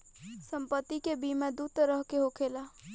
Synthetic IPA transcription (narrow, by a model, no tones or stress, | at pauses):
sə̃mpət̪ːikebimẽd̪uːt̪əɾəɦkeɦokʰeːla